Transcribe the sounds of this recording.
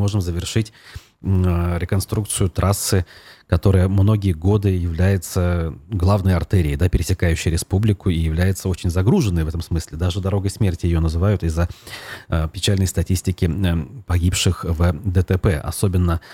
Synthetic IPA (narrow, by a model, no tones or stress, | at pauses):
mo̞ʐɨmzəvʲɪrʂɨtʲ | ɾʲɪkɐnst̪ɾuk̚t̪sɨjʊt̪ɾʔasːɨkɐt̪o̞ɾəjəmno̞ɡʲɪjəɡo̞d̪ɨjɪvlʲæjɪt̪səɡlˠavnəjəɐrt̪ɛɾʲɪːd̪apʲɪɾʲɪsʲɪkajʉɕːɪjɾʲɪspublʲɪkʊijɪvlʲæjɪt̪səot͡ɕɪnʲzɐɡɾuʐɨnːəjvɛt̪əmsmɨsʲlʲɪd̪aʐɨd̪ɐɾo̞ɡəjsmʲertʲɪjɪjo̞nəzɨvajʊt̪ɪzːə | pʲɪt͡ɕælʲnəjst̪ɐtʲisʲtʲɪkʲɪpɐɡʲipʂɨxvd̪ət̪ɛpɛʔɐ̰so̞bʲɪnːə